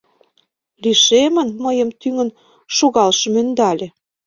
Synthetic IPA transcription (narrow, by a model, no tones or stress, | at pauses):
liʃemə̆nməjə̆mt̪yŋə̆n | ʃoɣɑlʃɤ̆mønd̪ɑlʲĕ